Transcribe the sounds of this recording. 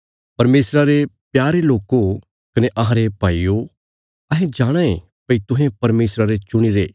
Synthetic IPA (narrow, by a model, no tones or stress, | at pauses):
pɐɾmeːsɾaɾepjaːɾeloːko | kɐneʔɐɦãɾepaːiːo | ɐɦẽd͡ʒaːɽ̃ãẽ | pɐit̪ʊ̃ɦẽpɐɾmeːsɾaɾet͡ʃʊɽ̃iɾeː